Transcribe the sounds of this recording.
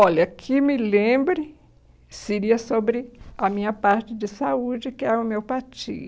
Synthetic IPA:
ɔlɐkʰɪmɪlẽbɾɪ | seɾiɐsobɾɪɐmĩɲɐpaɾt͡ʃɪd͡ʒɪsaud͡ʒɪkɪɛʊmewpat͡ʃḭ

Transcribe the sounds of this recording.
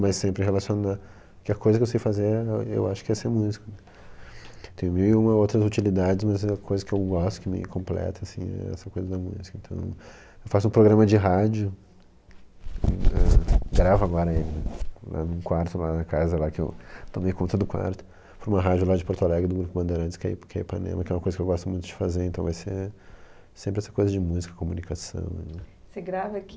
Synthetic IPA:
majssẽmpɾɪɦelasiona | kɪɐkojzɐkewsejfazeɾɛḛwaʃʊ̥kɪɛseɾmuzikʊnɛ | t̪ẽj̃miũmɐowt̪ɾɐzut͡ʃilid̪ad͡ʒɪzmɐzkʰojzɐkɪewɡɔst̪ʊ̥kɪmɪ̰kõmplɛ̰t̪ʰɐsĩɛ̰ɛ̰sɐkojzɐd̪ɐmuzikɐẽnt̪ɐ̃w̃w̃ | ewfas̬ʊũpɾoɡɾɐ̃mɐd͡ʒɪɦad͡ʒʊ | ɛɡɾavaɡɔɾɐelɪnɛla̰nũkwaɾt̪ʊlanɐkazɐlakɪewt̪omejkõt̪ɾɐd̪ʊkwa̰ɾt̪ʊ̥ | pɾũmɐɦad͡ʒʊlad͡ʒɪpoɾt̪olɛɡɪd̪ʊɡɾupʊbɐ̃nd̪eɾɐ̃nt͡ʃɪ̥skaikaḭpɾa̰nḛ̃mɐkɪɛũmɐkojzɐkewɡɔst̪ʊmũj̃t̪ʊd͡ʒɪ̥fazeẽt̪ɐ̃w̃vajse | sẽmpɾɪɛsɐkojzɐd͡ʒɪmuzikɐkomunikasɐ̰̃w̃seɡɾavɐk

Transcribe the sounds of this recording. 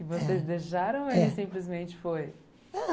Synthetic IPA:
kɪvosezd̪eʃaɾɐ̃w̃elɪsĩplɪzmẽnt͡ʃɪ̥foj

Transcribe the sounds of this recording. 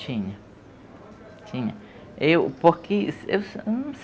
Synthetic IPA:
t͡ʃiɲã | t͡ʃiɲã | eupokisess

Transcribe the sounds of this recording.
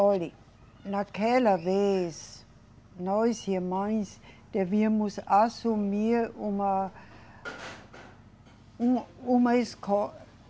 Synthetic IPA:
ɔli | nakɛlɐves | nɔjsimãj̃sd̪̥eviɐmʊsasumiɾũmɐ | uũmɐeskɔ

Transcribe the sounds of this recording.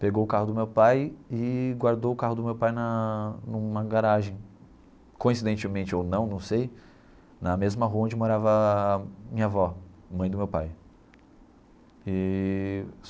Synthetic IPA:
peɡowʊkaɦʊd̪ʊmewpajɪɡwaɾd̪owʊkaɦʊd̪ʊmewpajnɐnũmɐɡaɾaʒẽj̃ | kõĩs̬id̪ẽnt͡ʃɪmẽnt͡ʃɪownɐ̃w̃nɐ̃w̃sej | nɐmezmɐɦuɐõnd͡ʒɪmoɾavɐ | mĩɲɐvɔmɐ̃j̃d̪ʊmewpaj | ɪ

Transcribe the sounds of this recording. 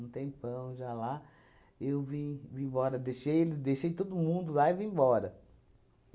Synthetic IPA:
ũt̪ẽj̃pɐ̃w̃ʒala | ewvĩvĩbɔɾɐd̪eʃejelɪd̪eʃejt̪od̪ʊmũnd̪ʊlaivĩbɔɾɐ

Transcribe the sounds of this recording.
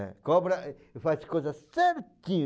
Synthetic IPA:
ɛ̰kõbɾɐ | faskojzɐsseɾt̪ĩɲ

